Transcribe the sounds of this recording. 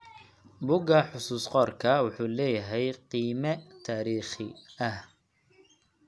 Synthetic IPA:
bʊɡɐħʊsuːsqɔːrkʰɐwʊħuːlɛːjɐɦɛjqiːmɐt̪ʰaːɾiːχɪɐh

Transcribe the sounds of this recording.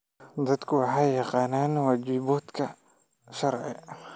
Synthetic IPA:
d̪ɐd̪kʰʊwɑħɑjjɑqɑːnaːnwɑːt͡ʃiːbuːt̪kʰɐ | ʃɐɾʕɛ̰

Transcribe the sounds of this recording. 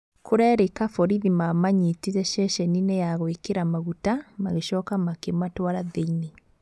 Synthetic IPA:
kʰoɾɛɾekafɔɾiðimamaɲetiɾɛʃɛʃɛninɛjaɣwekeɾamaɣutamaɣeʃɔːkamakematwaɾaðeine

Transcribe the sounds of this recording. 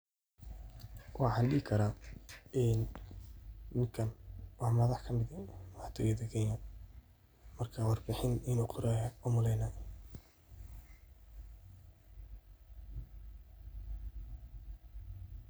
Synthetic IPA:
wʔɑħɑːnɖɪːɪkʰɐɾaːʔɪnː | ɪŋkʰɐnwɑħmɐðɑħkʰɐmɪd̪ɛmaħt̪ʰʊwɛd̪ɛɡɛjaːn | mɐrkʰaːwɑrbɪħɪnɪnuːqʰʊɾɛːjɐɔmʊlɛjnaj

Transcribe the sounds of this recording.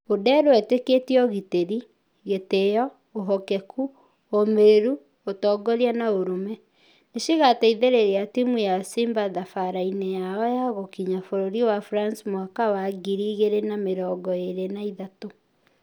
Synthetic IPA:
odɛɾoɛteketiɔɣiteɾi | ɣetejɔ | oɦɔkɛkʰu | omeɾu | otɔːɡɔɾjanaoɾomɛ | neʃiɣataiðeɾeɾeatimujasimbaðafaɾainejaɔjaɣokiɲafoɾoɾiwafɾansmwakawaɡiɾiɣeɾenameɾɔːɡɔeɾenaiðato

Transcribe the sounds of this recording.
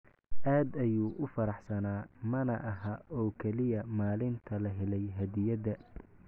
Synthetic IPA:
ʔaːd̪ɐjuːʔʊfɐɾɑħsɐnaːmɐnɐʔɐɦaʔɔːkʰɛlɪjɐmaːlɪnt̪ʰɐlɐɦɛlɛjɦɐd̪ɪjɐd̪ɐ

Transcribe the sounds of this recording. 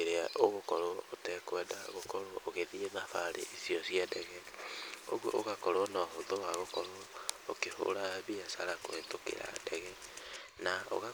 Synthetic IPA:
eɾeaʔoɣokɔɾootɛkwɛdaɣokɔɾooɣeðienafaɾḛisiɔsiɛdɛɣɛ | o̰ɣwo̰ʔoɣakɔɾɔnɔɦoðowaɣokɔɾookeho̰ɾaβiasaɾako̰etokḛɾa̰dɛɣɛ | nao̰ɣa

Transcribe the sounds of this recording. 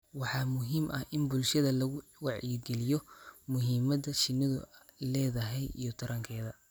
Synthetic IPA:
wɑħɑːmʊɦiːmʔɐhʔɪnbʊlʃɐðɐlɐɣʊwɑʕiːɡɛlɪjɔmʊɦiːmɐdɐʃɪnɪðʊ̰ | lɛːðɐɦɛjḭjɔt̪ʰɐɾɐŋkʰɛːðɐ

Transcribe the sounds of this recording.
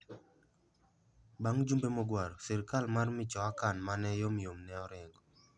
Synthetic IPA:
baŋd͡ʒumbemɔɡwaɾɔsɛɾkalmarmɪt͡ʃɔakanmanɛjɔmjomnɛɔɾɪŋɡɔ

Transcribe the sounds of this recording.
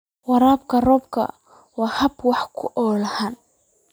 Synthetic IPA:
wɑɾaːbkʰɐrɔːbkʰɐ̰ | wɑːhɐbwɑħkʰʊʔɔːlɐhaːn

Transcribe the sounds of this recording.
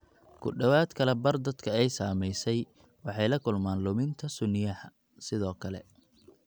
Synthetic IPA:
kʰʊɖɐwaːd̪kʰɐlɛbɐrd̪ɐd̪kʰɐɛjsaːmɛjsɛj | wɑħɑjlɐkʰʊlmaːnlʊmɪnt̪ʰɐsʊnɪjɐħ | sɪðɔːkʰɐlɛ̰

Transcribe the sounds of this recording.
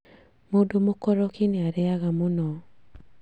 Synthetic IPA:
modomokɔɾɔkɪneaɾɛaɣamonɔ

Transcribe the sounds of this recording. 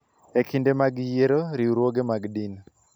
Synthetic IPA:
ekʰindemaɡjeɾoɾiuɾwoɡemaɡdin

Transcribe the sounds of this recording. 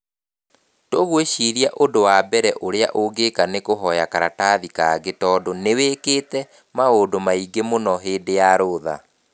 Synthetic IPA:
toɣweʃiɾiaʔondowabɛɾɛʔoɾea̰ʔoɡekanekoɦɔjakaɾataðikaːɡetɔːdoneweketɛ | maodomaiɡemonɔɦeːndejaɾoða̰

